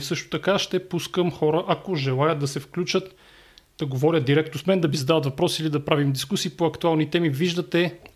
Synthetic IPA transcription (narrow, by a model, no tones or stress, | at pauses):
sɤʃt̪o̥t̪ɐkaʃt̪ɛpuskəmxɔɾəʔɐkoʒɛlˠajət̪̚d̪ɐsɛfklʲut͡ʃət̪ | d̪̥ɐɡovɔɾʲət̪̚d̪iɾɛk̚t̪osmɛnd̪ɐvizɐd̪avət̪vɐpɾɔsilid̪ɐpɾavimd̪iskusiːpoɐkt̪ualˠnit̪ɛmiviʒd̪ɐt̪ɛ